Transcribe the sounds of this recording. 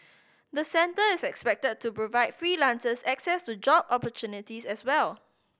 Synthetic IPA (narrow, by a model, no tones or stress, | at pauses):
d̪əsɛ̃ntəɪsɛkspɛk̚təd̚tːupɹovaɪdfɹiːlãnsəsɛksɛstud͡ʒɔbɔpətjunɪtisɛswɛl